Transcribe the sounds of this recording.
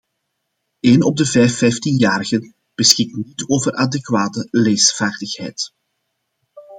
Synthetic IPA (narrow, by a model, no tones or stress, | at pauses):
eːnɔb̚dəvɛjfɛjftinjaːrəɣən | b̥əsxɪk̚tnitoːvərʔadɛkwaːtəleːjsvaːrdəxhɛjt